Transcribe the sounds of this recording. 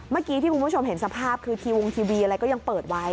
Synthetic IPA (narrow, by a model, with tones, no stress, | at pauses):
maː˥˩kiː˧t̪ʰi˥˩ku˧˦˥o˧mɦe˩˦nsa˧pʰaː˥˩p̚kʰɯː˧t̪ʰiː˧wo˧ŋt̪ʰiː˧wiː˧ʔa˧ɾa˧jkɔ˥˩ja˧ŋpɤː˨˩t̪̚wa˦˧j